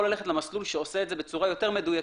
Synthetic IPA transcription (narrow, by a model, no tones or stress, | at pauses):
olaleetlemaslulʃeoseeːtzebe̞t͡suʁajo̞te̞ʁme̞duja